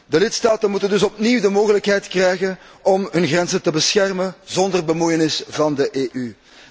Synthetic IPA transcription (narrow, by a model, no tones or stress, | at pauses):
dəlɪtstaːtənmutəndɵsɔpniːwdəmoːɣələkɦɛjtkrɛjɣənɔmɦɵnɣrɛnzətəbəsxɛrmənzɔndərbəmujənɪsvɑndəʔeːʔy